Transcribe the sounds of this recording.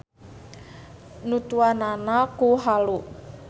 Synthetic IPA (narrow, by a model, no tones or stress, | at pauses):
nut̪uananakuɦalu